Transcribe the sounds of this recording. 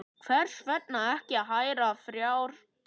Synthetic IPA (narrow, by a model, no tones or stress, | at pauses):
kʰvɛr̥svɛt̪̚naɛhcɪaðɦaːjɾafɾjaːwɾ̥